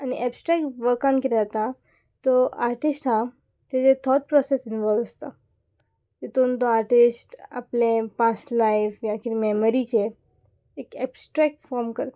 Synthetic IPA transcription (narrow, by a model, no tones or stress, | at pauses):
añiʔɛpsʈɾɛkʈʋəɾkãnkiɾat̪a | t̪ɔaɾʈisʈɦa | t̪et͡set̪ʰɔʈ̪̚pɾɔsesinʋɔlʋəst̪a̰ | t̪et̪uːnt̪ɔaɾʈisʈa̰plẽpãslajfʋjakiɾimeməɾit͡ɕe | ekɛbsʈɾɛk̚ʈfɔɾmkəɾt̪ḁ